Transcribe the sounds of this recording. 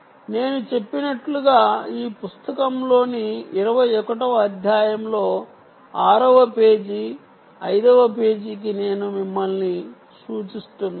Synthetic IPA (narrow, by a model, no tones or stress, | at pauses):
ne̞ːnut͡ʃe̞pːinɐʈluɡaːiːpust̪ɐkɐmlo̞ːniːɾɐʋɐjɔkɐʈɐʋɐd̪ʱjaːjɐmlo̞ː | aːɾɐʋɐpe̞ːd͡ʒi | ɐjd̪ɐʋɐpeːd͡ʒik̬ine̞ːnumimːɐlni | suːt͡ʃist̪una